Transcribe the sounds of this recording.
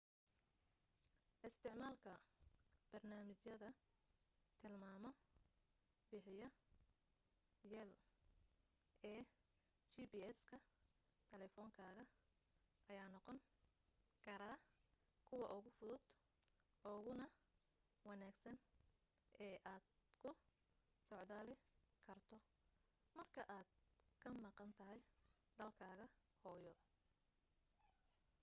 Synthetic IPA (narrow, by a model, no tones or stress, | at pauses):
ʔɪst̪ʰɪʕmaːlkʰɐ | b̥ɐrnaːmɪt͡ʃjɐðɐ | t̪ʰɪlmaːmɔ | bɪħɪjɐ | jɛl | ʔɛː | t͡ʃiːbiːɛskʰɐ | t̪ʰɛlɛfɔːŋkʰaːɣɐ | ʔɐjaːnɔqɔŋ | kʰɐɾaː | kʰʊwɑʔʊɣʊfʊðʊd̪̥ | ʔɔːɣʊnɐ | wɑnaːɡsɐn | ʔɛːʔaːd̪kʰʊ | sɔʕðaːlɪkʰɐrt̪ʰɔ | mɐrkʰɐʔaːd̪̥̚kʰɐmɑqɑnt̪ʰɐɦɛjd̪ɐlkʰaːɣɐ | hɔːjɔ